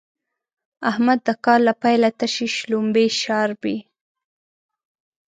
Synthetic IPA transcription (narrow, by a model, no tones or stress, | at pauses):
ahmad̪ːəkɑlːapajlat̪aʃiʃlumbeʃɑɾbi